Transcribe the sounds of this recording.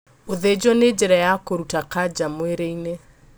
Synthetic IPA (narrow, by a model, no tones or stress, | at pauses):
oðed͡ʒwɔned͡ʒɛɾajakoɾutakad͡ʒamweɾeine